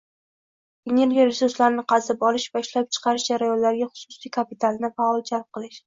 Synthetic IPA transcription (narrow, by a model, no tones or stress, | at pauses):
ene̞ɾɡʲiɾɪsʊɾslaɾnɪqʰɑzɪpɒlˠɪʃvaɪʃlap̚t͡ʃʰɨ̥qʰɑɾɪʃd͡ʒaɾajɒnlaɾɡʲaχʊ̥sʊsijkʰapit̪ʰalˠnɪfaɒlˠd͡ʒalˠp̚qʰɨlˠɪʃ